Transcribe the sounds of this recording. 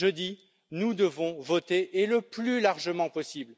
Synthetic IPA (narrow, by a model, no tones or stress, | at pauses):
ʒəd̪i | nud̪əvɔ̃vɔt̪eʔeləplylaʁʒəmɑ̃pɔsibl